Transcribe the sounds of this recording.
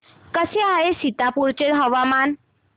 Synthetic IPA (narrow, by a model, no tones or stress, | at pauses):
kəsiaesit̪apuɾt͡ʃeɽɦɔʋaman